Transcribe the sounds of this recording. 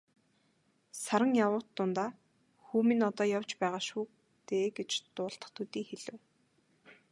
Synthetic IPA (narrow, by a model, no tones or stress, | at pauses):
saɾə̆ŋjawʊːt̪ːʊnt̪aː | xuːmĭnɔt̪ɔːjawt͡ɕpæːʁaːʃuː | t̪eːɡet͡ɕt̪ʊːɬt̪ə̥̆χt̪ʰut̪iːŋxeɮɘ̆w